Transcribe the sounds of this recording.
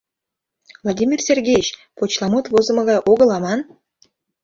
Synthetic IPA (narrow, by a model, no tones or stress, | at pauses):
vlˠod̪ʲimʲirsʲerɡʲejet͡ɕ | pot͡ɕlˠɑmot̪vozə̆mɤ̆ɣɑjʔoɣə̆lɑmɑn